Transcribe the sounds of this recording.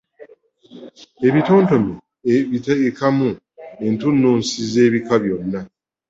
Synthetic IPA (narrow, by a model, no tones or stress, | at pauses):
e̞βito̞ːnto̞me | itkamu | entunːuːnsize̞ːβikaβjo̞nːa